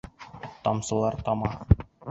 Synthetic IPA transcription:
t̪ɒmsɤ̆lˠɑɾt̪ɒmɑ

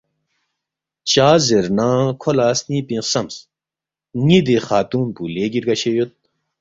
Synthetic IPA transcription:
t͡ɕaːzeɾnãːkʰolaːsnĩːpĩsɐms | ŋid̪exaːt̪uːnpuleːɡiɾɡɐɕejot̪̚

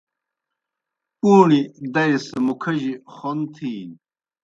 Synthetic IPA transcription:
uːnid̪ɐjsɐmukʰɐʑiχont̪ʰiːn

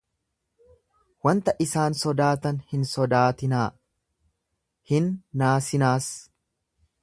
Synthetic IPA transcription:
wɐnt̪ɐʔɪsaːnsɔd̪aːt̪ɐnhɪnsɔd̪aːt̪ɪnaː | hɪnːaːsɪnaːs

